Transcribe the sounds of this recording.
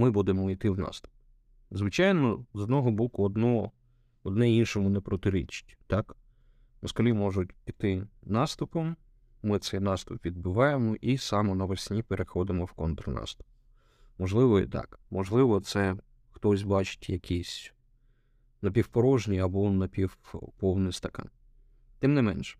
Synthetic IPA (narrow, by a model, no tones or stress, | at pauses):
mɪbud̪ɪmɔit̪ɪwnɑ̰st̪ʊ̥p̚ | zʋɪt͡ʃɑjnɔzɔd̪nɔɦɔbɔkʊɔd̪nɔ | ɔd̪nɛinʃɔmʊnepɾɔt̪ɪɾḭt͡ʃɪ̥tʲt̪ɑk | nɐskɔlʲimɔʒʊtʲpit̪ɪnɑst̪ʊpɔmː | ɪt̪sɛjnɑst̪ʊpʋʲid̪̚bʊʋɑjemɔʔisɑmɔnɐʋɐsʲnʲipeɾexɔd̪ɪmɔwkɔnt̪ɾnɑ̰st̪ʊ̥p̚ | mɔʒlˠɪʋɔḭt̪ɑ̰kmɔʒlˠɪʋɔt̪sɛ | xt̪ɔsʲbɑt͡ʃɪ̥tʲjɐkʲʰisʲ | nɐpʲiwpɔɾɔʒnʲiɐbɔnɐpʲiwpɔwnɪst̪ɐkɑ̰n | t̪ɪmnɪmɛnʃɛ̥